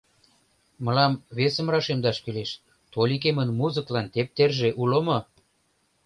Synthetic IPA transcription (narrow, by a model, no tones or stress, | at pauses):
mə̆lɑmβesə̆mrɑʃemd̪ɑʃkyleʃ | t̪olʲik̬emənmuzəklɑnt̪ep̚t̪erʒeʔulomo